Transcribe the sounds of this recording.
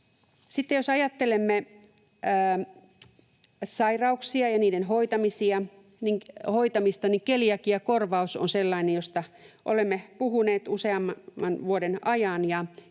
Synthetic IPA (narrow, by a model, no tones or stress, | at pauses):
sit̪ːejosɑjɑt̪ːelemːe | sɑirɑuksiɑjɑniːdenɦoit̪ɑmisiɑ | niŋhoit̪ɑmist̪ɑniŋkelijɑkijɑkorʋɑusonselːɑinejjost̪ɑʔolemːepuɦuneːt̪useɑmmːɑnʋuodenɑjɑnjɑ